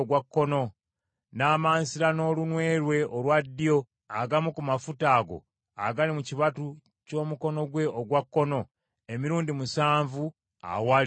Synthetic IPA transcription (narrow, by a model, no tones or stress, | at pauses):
ɡwakːo̞no̞ | naːmaːnsiɾano̞ːlunwe̞ːɾwe̞ʔolwadːijo̞ | aɡamukumafutaːɡo̞̰ | a̰ɡalimuciβatu | co̞ːmuko̞no̞ɡwe̞oɡwakːo̞no̞ | emiɾuːndimusaːɱvu | a̰wal